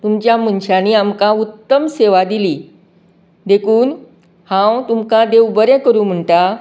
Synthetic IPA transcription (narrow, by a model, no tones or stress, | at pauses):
t̪umt͡ɕjam̤əɳɕaniːamkaut̪ːəmseʋad̪iliː | d̪ekʰuːn | hãwt̪umkãd̪ewbəɾɛ̃kəɾuːm̤əɳʈa